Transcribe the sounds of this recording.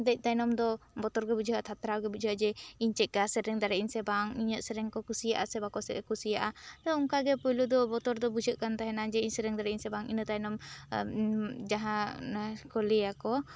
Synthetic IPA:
d̪ɛc̚ˀt̪ajnɔmd̪ɔbɔt̪ɔɾɡɛbud͡ʒɦat̪ʰat̪ɾawɡɛbud͡ʒʱəɦəʔd͡ʒɛiɲt͡ʃɛʔ̚kasɛɾɛŋd̪aɾɛiɲsɛbaŋiɲəʔsɛɾɛŋkɔkusijaʔasɛbakɔsɛ̰kusijaʔad̪ɔuŋkaɡɛpəlud̪ɔbɔt̪ɔɾd̪ɔbud͡ʒəʔkant̪aɦɛnad͡ʒɛiɲsɛɾɛŋd̪aɾɛiɲsɛbaŋḭnət̪ajnɔm | d͡ʒaɦanakɔlɛakɔ

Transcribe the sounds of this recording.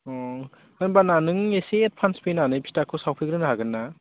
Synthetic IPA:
ɔ | anbananɯŋeset̚pʰanspenanɯjpʰi̥takʰɯsawpʰiɡɾɯnaɦaɡɯnːa

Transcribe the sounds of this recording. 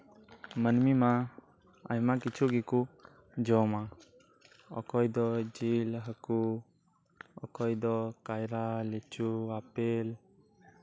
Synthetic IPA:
mənmimã | a̰imãːkɪt͡ʃʰuɡiku | d͡ʒɔːmãː | ɔ̰kʰɔːid̪ɔd͡ʒiːlɦəku | ɔ̰kɔːid̪ɔkaːjɾaːlet͡ʃʰuaːpeːl

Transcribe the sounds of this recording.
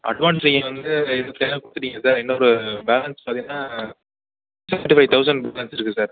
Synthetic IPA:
ɐ̰ɖʋaːnsɾɪŋɡɐ̃ʋɐnd̪ɯɛnɐt̪ːeːnɐpaːt̪ːɯʈ̬ːiŋɡɐsaːɾɛnːɐɔɾɯbɛːlɐnspaːt̪iŋnːaː | sɛɳʈɪfaɪt̪ɐʊs̬ɐɳɖ̚bɛːlɐnsɪɾɯkːɯsaːɾ

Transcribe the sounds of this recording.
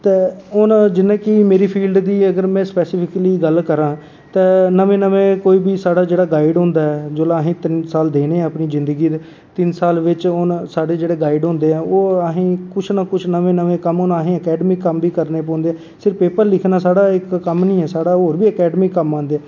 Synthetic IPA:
t̪eːʊnd͡ʒɪnːẽːkɪmeːɾiːpʰiːlɖd̪iːəɡəɾmɛ̃ːspɛːsɪpʰɪkliːɡəlkəɾãː | t̪ɛ̃ːnəʋẽːnəʋẽːkoːiːbiːsaːɽaːd͡ʒeːɽaːɡaːɪɖɦʊ̃ːnd̪aːɦɛːd͡ʒoːlãːəɦẽːt̪ɪnsaːld̪eːneːəpniːzɪ̃nd̪əɡiːd̪e | t̪ɪnsaːlʋɪt͡ʃʊnsaːɖeːd͡ʒeːɽeːɡaːɪɖɦʊ̃ːnd̪eːɛ̃ːoːəɦĩːkʊt͡ʃʰnaːkʊt͡ʃʰnəʋẽːnəʋẽːkəmʊnaɦẽːəkɛːɖəmiːkəmbiːkəɾneːpɔ̃ːnd̪eːɛː | sɪɾpeːpəɾlɪkʰnaːsaːɽaːɪkːəmnĩːɛːsaːɽaːɦoːɾbiːəkɛːɖəmiːkːəmːãːnd̪eːɛː

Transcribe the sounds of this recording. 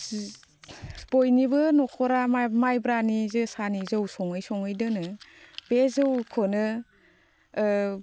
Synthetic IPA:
bojnibɯnɔkʰɔɾamajbɾanizɯsanizɯwsɔŋɯjsɔŋɯjdɯnɯbezɯwkʰɔnɯ

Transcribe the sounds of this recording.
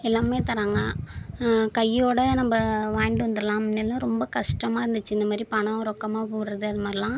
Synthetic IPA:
ɪlːaːmeːt̪ɐɾaːŋɡɐ | kɐjoːɽɐnɐmbɐʋaːjɳɖɯʋɐnd̪ɯɾɐlãːnɐlːãɾɔmbɐkɐʂʈɐmaːɪɾɯnd̪ɯt͡ʃːɯɪnd̪ɐmaːd̪ɾipɐɳɐ̃ɾɔkːɐmaːpoːɽɯɾɐðɯɐðɯmaːɾɪlãː

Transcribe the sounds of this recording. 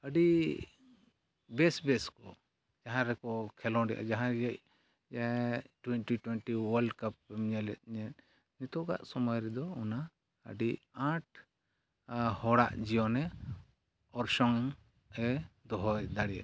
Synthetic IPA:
əɖi | bɛsbɛskɔ | d͡ʒaɦãɾɛkɔkʰɛlɔ̃ɖɛ̰ʔa̰d͡ʒaɦãɡɛc̚ | d͡ʒaɛʈwɛnʈiʈwɛnʈiwəlɖkap̚ːɛmɲɛlɛt̪̚ɲɛt̪ | nit̪ɔɡa̰ʔsɔmɔjɾɛd̪ɔɔna | ə̰ɖiãʈ̚ | hɔɽaʔd͡ʒiɔ̃nɛ | ɔɾʃɔŋ | ɛd̪ɔɦɔjd̪aɽiɛ̰

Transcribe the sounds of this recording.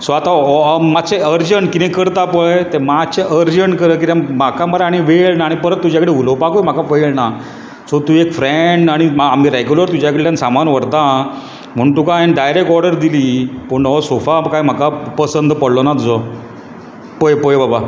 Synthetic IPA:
sʋat̪amat͡seəɾd͡ʑəɳʈkit̪ẽkəɾt̪apəjt̪emat͡ɕeʔəɾd͡ʑəɳkəɾək̬it̪amakãməɾaɽ̃iʋeɭnaːɽ̃ipəɾət̪ːud͡ʑjakəɽeulopakojm̤akafeɭna | sɔt̪uːekfɾeɳɖaɽ̃imaamiɾeɡjuləɾt̪ud͡ʑjakəɽet̪jansamanʋəɽt̪a | m̤əɳt̪ukãenɖajɾek̚ʈɔɾɖəɾd̪iliːpəɳɔsofakajm̤akapəsənd̪ʱpəɽlɔnat̪ud͡zɔ | pojpojbaba

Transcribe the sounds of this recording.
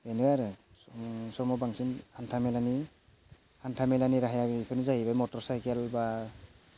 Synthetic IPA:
enɯaɾɯ | sɔmɔbaŋsinantʰamelani | antʰamelaniɾaɦajabipʰɯnizaɦibajmɔtɔɾsajkelba

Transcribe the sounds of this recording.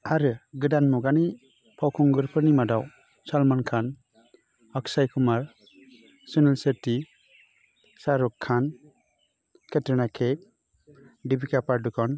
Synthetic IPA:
aɾɯɡɯdanmuɡani | pʰawkʰɔŋɡɯɾpʰɯɾnimadaw | salmankʰan | aksajkʰumaɾ | sɯnelseɾti | saɾɔkʰːan | kʰeteɾnakʰep̚ | dibikapaɾdukʰɔn

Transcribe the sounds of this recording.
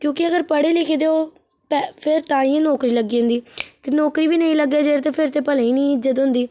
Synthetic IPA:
kjõːkɪəɡəɾpəɽeːlɪkʰeːd̪eoː | pɛpʰɪɾt̪ãːĩːnɔːkɾiːləɡːiːʊ̃nd̪iːt̪eːnɔːkɾiːʋiːnəĩːləɡjaːd͡ʒeːɾt̪eːpʰɪɾt̪eːpəlɛ̃ĩːnĩːɪd͡ʒət̪ɦʊ̃nd̪iː

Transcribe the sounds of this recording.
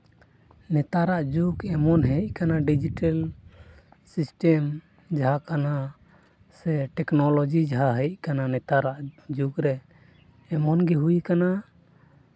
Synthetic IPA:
nɛt̪aɾaʔd͡ʒukɛmɔnɦəjc̚ˀkanaɖid͡ʒiʈal | sisʈɛm | d͡ʒaɦakana | sɛʈɛknɔlɔd͡ʒid͡ʒaɦaɦəjc̚ˀkananɛt̪aɾaʔd͡ʒukɾɛ | ɛmɔnɡɛɦujkana

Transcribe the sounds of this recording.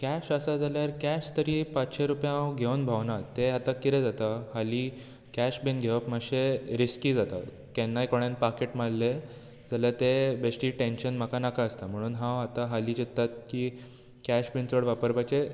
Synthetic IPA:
kæɕəsad͡zaljaɾkæɕt̪əɾiːpat͡sɕeɾupjãɦãwɡʱewnbʱawnat̪ːeat̪akːit̪ed͡zat̪ahaliː | kæɕbinɡʱeʋəpmaɕeɾiskiːd͡zat̪a̰ | kɛnːajkoɽ̃enpakeʈmalle | d͡zalaɾt̪ebesʈiːʈenɕənm̤akanakaəst̪am̤əɽ̃uːnɦãwat̪aɦaliːd͡ʑit̪ːat̪̚kiː | kæɕbint͡soɽʋapəɾpajt͡ɕe

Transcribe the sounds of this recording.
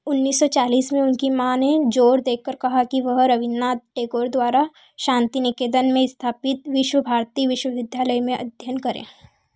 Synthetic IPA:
ʊnːiːsːɔt͡ʃaːliːsmẽʊnkimãːned͡ʒoːɾd̪eːkʰːəɾkɐɦakiʋəɦɾɐʋɪnːaʈeːkoːɾd̪waːɾa | ʃãːnt̪inɪkeːd̪ənmẽɪst̪ʰaːpɪt̪ʋɪʃwəbʱaːɾt̪iːʋɪʃwəʋɪd̪ʱjaːləjmẽʔɐ̰d̪ʱjənkɐɾḛ̃ː

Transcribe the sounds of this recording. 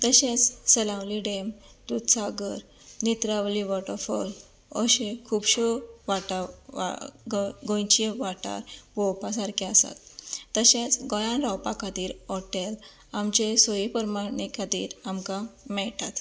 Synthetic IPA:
t̪əɕẽt͡sːəlãwliɖem | t̪ut̪saɡəɾ | nit̪ɾaʋliʋɔʈəɾfəl | əɕẽkʰuːbɕɔʋaʈaa̰ɡɡõjt͡ɕiʋaʈa̰ɾbɔwpas̬aɾkʰiasa̰t̪ːəɕẽt͡sɡɔjãnɾawpakat̪iːɾɔʈel | amt͡ɕesɔjipəɾmanikat̪ḭːɾamkamɛɭʈat̪

